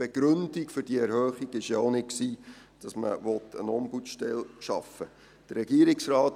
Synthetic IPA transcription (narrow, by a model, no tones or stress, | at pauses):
b̥eɡ̥ɾɵnd̥ikfʏɾd̥iəɛɾhœːχiɡ̥ɪʃjaonɪt̚ksiː | d̥ɑsmə̰ʋɔtʰə̰nɔmbutʃtɛlʃɑ̰fə | d̥ərɛɡiəɾiksrɑːt